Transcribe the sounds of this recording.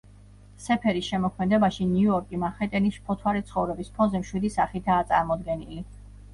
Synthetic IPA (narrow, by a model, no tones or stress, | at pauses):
sɛpʰɛɾisʃɛmɔkʰmɛd̪ɛbaʃinjuuɔɾkʼimaχɛt̪ʼɛnisʃpʰɔt̪ʰwaɾit̪sʰχɔvɾɛbispʰɔnzɛmʃwid̪isaχit̪ʰaːt̪sʼaɾmɔd̪ɡɛnili